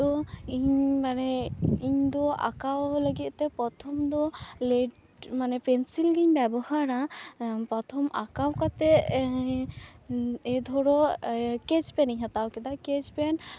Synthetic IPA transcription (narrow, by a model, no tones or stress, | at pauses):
ɔiɲmanɛiɲd̪ɔa̰kawləɡit̪̚ˀt̪ɛpɾɔt̪ʰɔmd̪ɔleɖ | manɛpɛnsilɡiɲbɛbɔhaɾapɾɔt̪ʰɔmakawkat̪ɛ | ɛd̪ʱɔɾɔkɛd͡ʒpɛniɲɦat̪awkɛd̪aked͡ʒpɛn